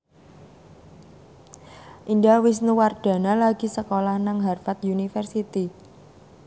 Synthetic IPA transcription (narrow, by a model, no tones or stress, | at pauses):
ʔindawɪs̬nuward̪̥ä̤nalaɡ̥i̤səkolahnaŋɦarfat̪̚junifərsit̪i